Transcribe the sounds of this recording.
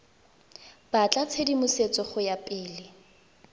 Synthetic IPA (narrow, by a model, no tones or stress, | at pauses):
b̥at͡ɬʼat͡sʰedimʊset͡sʼɔχʊjapʼɪːlɪ